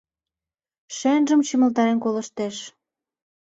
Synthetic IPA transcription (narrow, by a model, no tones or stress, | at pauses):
ʃenʒə̆mt͡ɕəmə̆lt̪ɑɾenkoləʃt̪eʃ